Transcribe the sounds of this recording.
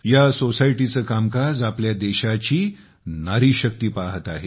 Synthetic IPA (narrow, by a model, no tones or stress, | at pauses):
jasosajʈit͡səːkamkad͡zapljad̪ɛɕat͡ɕiː | naɾiːɕək̚t̪iːpaɦət̪aɦe